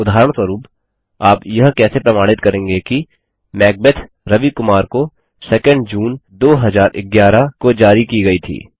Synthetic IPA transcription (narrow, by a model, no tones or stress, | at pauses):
ʊd̪ʱaːɾəɽ̃sʋəɾuːp | aːpjɐɦkɛːsepɾɐmaːɽ̃ɪt̪kɐɾẽːŋɡeki | mɛːɡ̚bet̪ʰ | ɾɐʋikʊmaːɾko | sɛːkə̃ɳɖd͡ʒuːnd̪oːɦɐzaːɾʔɪɡjaːɾakod͡ʒaːɾikiɡɐit̪ʰḭː